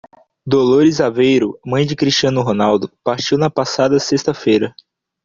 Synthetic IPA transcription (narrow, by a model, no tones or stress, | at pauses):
d̪oloɾizavejɾʊmɐ̃j̃d͡ʒɪkɾiʃt͡ʃɐ̃nʊɦonawd̪ʊpaɾt͡ʃiwnɐpasad̪ɐsest̪ɐfejɾɐ